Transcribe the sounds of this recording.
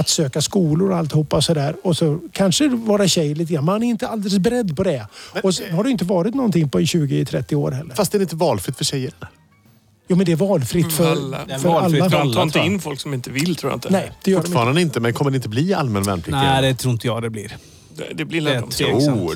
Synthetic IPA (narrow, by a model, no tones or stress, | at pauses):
at̪søːkaskuːlʊɾɔalt̪hupːaɔsɔd̪æːɾɔsɔkʰanʂəvoːɾaɕɛjːɭiːt̪əɡɾanːmhanæɾɪnt̪əald̪ɛləsbɛɾɛd̪ːpʰɔd̪ɛɔshaɖɵɪnt̪əvɑːɾɪt̪nɔnt̪ʰɪŋːpɔɪɕʉ̟ːɡɪt̪ʰɾɛt̪ːɪoːɾɦɛlːəɾfast̪ɛːɾɪnt̪əvɑːlfɾɪt̪fœʂɛjːəɾn | juːmɛnd̪ɛæɾvɑːlfɾɪt̪fœɾfœɾalːaːɑːɪnt̪əɪnːfɔlksɔmɪnt̪əvɪlːt̪ʰɾuːja̰ɪnt̪ənɛɪd̪̥ɛjœʊɖɑːɾand̪əɪnt̪əmɛnkʰɔməɾɖɛɪnt̪əbliːa̰lmɛnvɛ̰nːpʰld̪ɛt̪ʰɾuːɪnt̪əjɑ̰ːɡd̪ɛblɪ̰ɾ | ɛd̪ɛblɪ